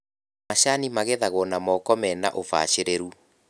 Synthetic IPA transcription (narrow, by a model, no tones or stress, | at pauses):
maɕanimaɣeðaɣɔnamɔkɔmɛnaʔofa̰ɕeɾeɾu